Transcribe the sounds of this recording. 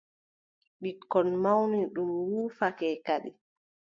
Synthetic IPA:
ɓikːɔnmawniɗumwuːfakɛːkaɗḭ

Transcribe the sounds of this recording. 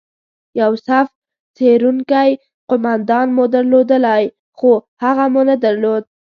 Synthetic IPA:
jawsaf | t͡seɾuŋkaj | qʊmand̪ɑnmod̪aɾlod̪əlaj | xohaɣamunad̪aɾlod̪̚

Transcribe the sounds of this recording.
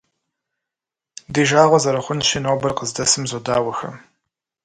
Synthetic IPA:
diːʒaːʁʷɔzɐɾɐχʷʊnʃinoːbɐrqəzdɐsɨmzodaːwɐxɐ̰

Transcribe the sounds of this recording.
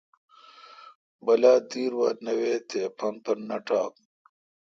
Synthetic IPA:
bɐlaːd̪iːɾwanɐweːt̪ʰepʰɐnpɐɾnɐʈaːk̚

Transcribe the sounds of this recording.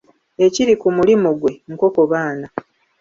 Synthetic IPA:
e̞ciɾikumulimuɡwe̞ŋ̩ko̞ko̞βaːna

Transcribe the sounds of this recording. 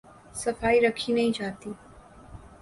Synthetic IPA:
sɐfaːiɾɐkʰinɐɦĩt͡ʃaːt̪iː

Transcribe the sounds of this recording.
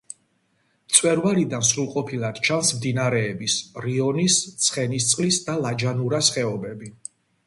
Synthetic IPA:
mt̪sʼwɛɾvalid̪ansɾulˠqʼɔpʰilˠad̪̥t͡ʃʰansmd̪inaɾɛːbisɾiɔnist̪sʰχɛnist̪sʼqʼlisd̪alad͡ʒanuɾasχɛɔbɛbi

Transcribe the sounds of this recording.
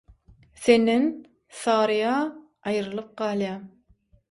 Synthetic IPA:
θend̪en | sɑːɾɯjɑː | ɑjɾɯlˠɯp̚ɢɑːlˠjɑːm

